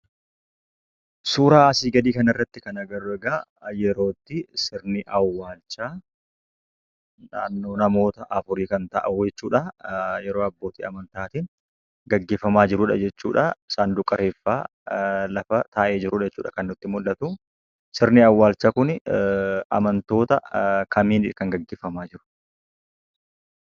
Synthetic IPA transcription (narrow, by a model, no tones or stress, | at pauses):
suːɾaːɐsiːɡɐd̪iːkɐnɪrːɐt̪ːɪkɐnɐɡɐɾʊɛɡaːjɛɾo̞ːt̪ːɪsɪɾniʔɐwːaːlt͡ʃːaː | naːnːo̞ːnɐmo̞ːt̪ɐʔɐfʊɾiːkɐnt̪ɐ̰ʔʊd͡ʒɛt͡ʃːuːᶑɐjɛɾo̞ːɐbːo̞ːt̪ḭːɐmɐnt̪aːt̪in | ɡɐɡːeːfɐmaːd͡ʒɪɾʊːᶑɐd͡ʒɛt͡ʃːṵːᶑɐɪsaːnd̪ʊkʼːɐɾe̞ːfːaː | lɐfɐt̪aːʔe̞ːd͡ʒɪɾʊᶑɛt͡ʃːuːᶑɐkɐnːʊt̪ːɪmʊlːɐt̪u | sɪɾniɐwːaːlt͡ʃːaːkʊn | ɐ̰mɐnt̪o̞ːt̪ɐkʰɐmiːnɪkɐŋɡɐɡːeːfɐmaːd͡ʒɪɾʊ̥